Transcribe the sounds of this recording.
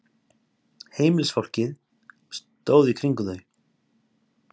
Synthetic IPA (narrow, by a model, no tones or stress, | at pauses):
heːjmɪlsfɔr̥cɪð | st̪oːwðikʰɾiŋkʏðœɥ